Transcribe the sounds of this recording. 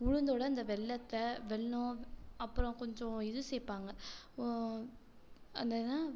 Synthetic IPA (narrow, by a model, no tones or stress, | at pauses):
ʊɻʊnd̪oːɽɐɐnd̪ɐʋɛɭːɐt̪ːɐʋɛɭːõɐpːɯɾɔ̃kɔɲd͡ʒɔ̃ɪðɯseːpːaːŋɡɐ | ɐnd̪ɐnaː